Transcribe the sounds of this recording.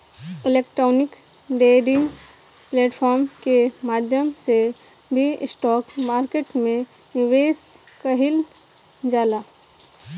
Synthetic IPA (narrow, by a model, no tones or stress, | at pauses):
ɪleːkʈɾɔːnɪk | ɖeːɖɪ̃ŋɡ | pleːʈpʰɔːɾmkemaːd̪ʱjəmse | bʱiɪsʈɔːkmaːɾkeːʈmẽ | nɪʋeːs | kəɦɪl | d͡ʒaːlaː